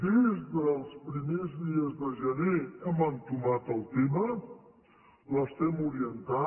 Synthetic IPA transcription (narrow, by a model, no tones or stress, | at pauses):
dizðəlˠspɾimezðiəzðəʒəneɛmant̪umat̪əlˠt̪emə | ləst̪ɛmuɾiənt̪a